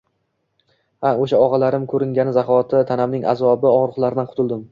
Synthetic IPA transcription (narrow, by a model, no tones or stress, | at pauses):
haoʃaɒʁɑlaɾɪmkʰɵɾɪŋɡʲanɪzaχɒt̪ʰɪt̪ʰanamnɪŋʔa̰zɒbɪɒŋɾʊχlˠaɾɪd̪anqʰʊ̥t̪ʰʊlˠd̪ɪm